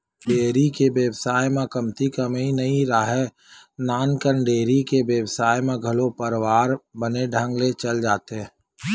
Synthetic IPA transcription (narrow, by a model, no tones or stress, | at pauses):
ɖeːɾikebjəwsaːjmẽkəmt̪ikəmĩnəĩɾaɦɛ | naːnkənɖeːɾikebjəwsaːjmẽɡʱəlopəɾwaːɾbəneɖʱə̃ŋɡlet͡ʃəld͡ʒaːt̪ɦɛ